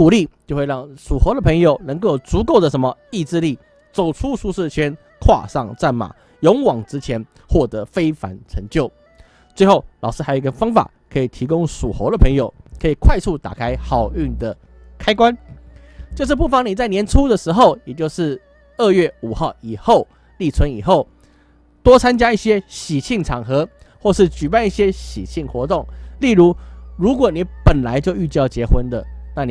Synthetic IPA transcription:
u˨˩li˥˨t͡ɕjo˥˧ʊxwe˥˧ɪɻɑ˥˩ŋʂu˨˩xə˧˥d̪ə˨pʰɤ˧˥ŋjo˨˩ʊnə˧˥ŋko˥˧jʊ˩t͡su˧˥ko˥˩ʊd̪ə˩ʂə˧˥nmə˧i˥˧ʈ͡ʂɻ̩˥˧li˥˩ | t͡so˨˩ʊʈ͡ʂʰu˥ʂu˥˧ʂɻ̩˥˩t͡ɕʰɛ˥n | kʰwa̰˥˧ʂɑ̰˥˧ŋt͡sa˥˩nma̰˨˩˦ | jo˧˥ŋwɑ˨˩ŋʈ͡ʂɻ̩˥t͡ɕʰjɛ˧˥n | xwɔ˥˩t̪ɤ˧˥fe˥ɪfa̰˧˥nʈ͡ʂʰə˧˥ŋt͡ɕjo˥˩ʊ | t͡swe˥˧ɪxo˥˩ʊlɑ˨˩ʊʂɻ̩˥˧a˧˥jo˨˩i˧kə˧nfɑ˥ŋfa̰˨˩ | kʰɤ˧˥i˨˩t̪ʰi˧˥kʊ˥ŋʂu˨˩xə˧˥ʊd̪ə˨pʰə˧˥ŋjo˨˩ʊkʰɤ˧˥i˨˩kʰwa˥˧ɪt͡sʰu˥˩t̪a̰˨˩kʰa˥ɪxɑ˨˩ʊy˥˩nd̪ə˩ | kʰa˥ɪkwa˦n | t͡ɕjo˥˧ʊʂ̬ɻ̩˥˧p̬u˥˩fɑ˧˦ŋni˨˩t͡sa˥˩ɪnjɛ˧˥nʈ͡ʂʰu˦˥d̪ə˨ʂɻ̩˧˥xo˥˨ʊjɛ˨˩t͡ɕjo˥˧ʊʂɻ̩˥˧ | ə˥˧ɥɛ˥˩u˨˩xɑ˥˩ʊi˨˩xo˥˧ʊ | li˥˩t͡sʰwə˧˥ni˨˩xo˥˩ʊ | t̪wɔ˥t͡sʰa˥nt͡ɕja˥i˥˩ɕjɛ˥ɕi˨˩ɕi˥˩ŋʈ͡ʂʰɑ˨˩ŋxɤ˧˥ | xwɔ˥˧ʂɻ̩˥˩t͡ɕy˨˩p̬a˥˧ni˥˩ɕjɛ˥ɕḭ˨˩ɕi˥˩ŋxwɔ˧˥t̪ʊ˥˩ŋli˥˩ɻu˧˦˥ɻu˧˥k̬wɔ˨˩ni˨˥pə˨˩nla˧˦ɪt͡ɕjo˥˧ʊy˥˧t͡ɕjɑ˥˩ʊt͡ɕjɛ˧˥xwə˦nd̪ə̰˨ | na˥˨n˨

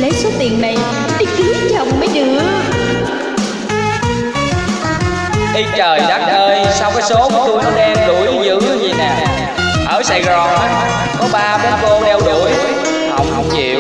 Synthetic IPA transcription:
lə˨˦jso˨˦t̪i˨˩əŋna˨˩j | ɗi˧˦ki˨˦˥tt͡ɕa˨˧˩wŋ͡mmə˨˦jɗɨ̰˧˨ə | ʔi˧t͡ɕəː˨˩jla˦˥t̚ʔəː˧jsaː˧wkaː˨˦jso˨˦kɔ˨˦t̪u˧kɔ˨˦ɗɛ˧mɗu˧˩jzɨ̰˧˨zɨ˨˦ɲi˨˩naː˨˩ | ʔəː˧˩sa˧jɣɔ˧ | kɔ˨˦ɓaː˧ɓaː˧ko˧ɗɛ˧wɗṵ˧˩əj | hə̰˧˩wŋ͡mhə˧wŋ͡mt͡ɕḭ˧˨w

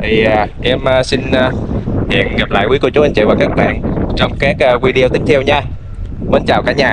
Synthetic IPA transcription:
t̪ʰi˨˩˨ʔɛ˧məː˨˧si˧nː˧hḭ˧˨ənɣa˨˩p̚la̰ː˧˨jki˨˦ku˧˩˦t͡ɕu˨˦a˧n̟t͡ɕḭ˧˨vaː˨˩kaː˦˥k̚ɓa̰ː˧˨nt͡ɕɔ˧wŋ͡mkaː˦˥k̚a˧vwi˧ɗi˧ə˧t̪i˦˥k̚t̪ʰəwɲaː˧ | ɓə˧˦nt͡ɕaː˨˩wkaː˧˩˦ɲaː˨˩

